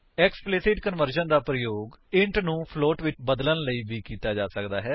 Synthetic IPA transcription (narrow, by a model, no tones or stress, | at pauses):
ɛːksplɪsɪʈkənʋəɾʃənd̪aːpɾəjoːɡɪ̃ɳʈnũːpʰloːʈʋɪt͡ʃbəd̪lənləiːbiːkiːt̪aːd͡ʒaːsəkd̪aːɦɛː